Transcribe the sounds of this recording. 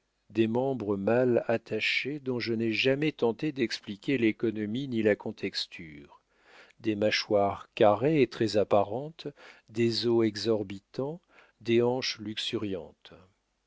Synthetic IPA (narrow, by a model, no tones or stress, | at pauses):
d̪ɛmɑ̃bʁəmalat̪ʰaʃed̪ɔ̃ʒənɛʒamɛt̪ɑ̃t̪ed̪ɛksplikʲelekɔnɔminilakɔ̃t̪ʰɛkst̪ʰyːʁ | d̪emaʃwaʁkʲaʁeːt̪χɛzapaʁɑ̃t̪d̪ezoɛɡzɔʁbit̪ɑ̃ | d̪eɑ̃ʃlyksyʁjɑ̰̃t̪